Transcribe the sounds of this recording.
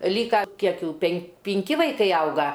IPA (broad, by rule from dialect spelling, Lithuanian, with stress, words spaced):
ˈlʲiːkɐ ˈkʲiɛk juː pʲɛn pʲɪŋʲˈkʲɪ ʋɐɪˈkɐɪ ˈɐʊɡɐ